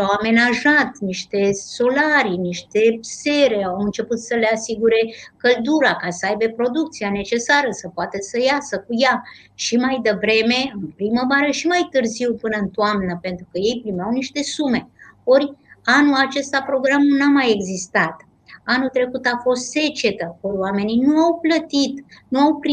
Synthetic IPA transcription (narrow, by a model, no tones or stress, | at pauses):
awame̞naʒat̪niʃt̪e̞so̞laɾiniʃt̪e̞se̞ɾeawɨnt͡ʃe̞put̪səle̞asiɡuɾe̞kəld̪uɾakasəajbe̞pɾo̞d̪uk̚t̪siane̞t͡ʃe̞saɾəsəpoat̪esəjasəkuja | ʃimajd̪əvɾe̞me̞ɨnpɾiməvaɾəʃimajt̪ɨrziwpɨnəɨnt̪oamnəpe̞nt̪ɾukəje̞jpɾimeawniʃt̪e̞sume̞o̞ɾʲanulat͡ʃe̞st̪apɾo̞ɡɾamunamaje̞ɡzist̪at̪ | anut̪ɾe̞kut̪afo̞st̪se̞t͡ʃe̞t̪əkolwame̞ninuawplət̪it̪nuawpɾ